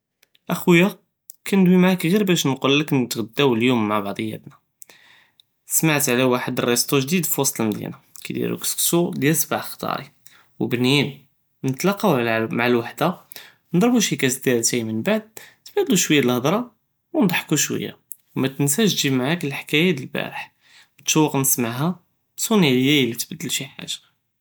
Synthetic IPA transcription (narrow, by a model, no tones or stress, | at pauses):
ʔæxwjːa | kʰænd̪wimaʕakɣiɾbæʃnqolːəknt̪ɣəd̪ːæwljumːaʕbɑʕd̪ˤəjːæ̰t̪næ | smaʕt̪ʕlæwaħəd̪rˤːest̪ˤuʒd̪id̪fwɑsˤt̪lmd̪jḭnækæd̪ḭɾṵksksud̪jælsbaʕxt̪ˤɑ̰ɾḭ | wbnin | nət̪lɑqːɑwʕlmaʕəlwaħd̪a | nd̪ˤɾˤbuʃikæsd̪æɾt̪æjmənbaʕd̪̚t̪bəd̪luʃwəjːaəlhəd̪ˤɾˤɑ | wnd̪ˤħkuʃwə̰jːa̰ | wmæt̪ənsæʃʒimaʕakəlħkæjæd̪əlbæ̰ɾəħ | mət̪ʃuwːəqnəsmaʕɦæ | bsˤuniʕləjːæjəlit̪bəd̪ːəlʃiħa̰ʒḁ